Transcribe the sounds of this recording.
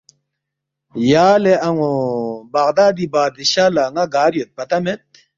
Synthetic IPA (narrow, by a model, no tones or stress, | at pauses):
jaːleɐŋobɐɣd̪aːd̪ibaːd̪iɕaːlaŋɐɡaːɾjot̪̚pɐt̪ɐmet̪̚